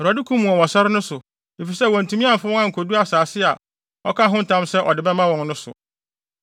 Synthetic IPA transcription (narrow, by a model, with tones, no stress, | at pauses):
ɾɔ˨dɪ˦kʰũ˦mũ˨ɔ˨wɔ̃˨sa˦ɾɪ˦nʊ̃˦sʊ˨ | e˨fi˨sɛ˦wɔ̃˨n̩˨tũ˨˦mĩ˦ã˦˨m̩˨fa˦ɔ̃˦ã˦ŋ̩˨kʰo˨du˦a˨saː˨sɪ˦a˨ | ɔ̰˦kʰa˦ɦʊ̃˦n̩˨tʰã˦msɛ˦ʔɔ˨dɪ˨bɛ˦mã˦wɔ̃˨ŋnʊ̃˦sʊ̰˨